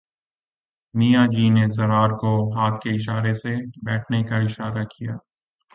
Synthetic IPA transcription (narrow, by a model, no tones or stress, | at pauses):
nijad͡ʒiːnezɐɾaːɾkoɦaːt̪̚ʰkeɪʃ̬aːɾesebɛːʈʰnekaɪʃaːɾakijaː